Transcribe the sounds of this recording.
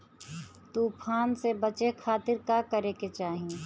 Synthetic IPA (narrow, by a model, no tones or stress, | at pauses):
t̪uːpʰaːnsebət͡ʃekʰaːt̪ɪɾkakəɾeːket͡ʃaːɦie